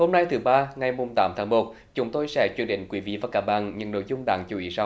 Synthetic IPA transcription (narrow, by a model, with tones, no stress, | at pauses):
ho˧mna˧jt̪ʰɨ˨˦ɓaː˧ŋa˨˩jmo˨˩mt̪aː˨˦mt̪ʰaː˨˦ŋmo˨˩t̚ | t͡ɕʊ˨˦ŋ͡mt̪o˧jsɛ̰˧˥t͡ɕwi˧˩ənɗï˧˨ŋ̟kwi˨˦vḭ˧˨vaː˨˩kaː˧˩ɓa̰ː˧˨nɲɨ̰˧˩no̰˧˨jzʊ˧ŋ͡mɗa̰ː˧˨˦ŋt͡ɕu˨˧˩ʔi˨˦sa˧w